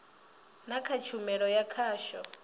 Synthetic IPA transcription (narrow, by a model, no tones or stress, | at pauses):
nakʰat͡ʃʰumɛɺɔjakʰaːʃɔ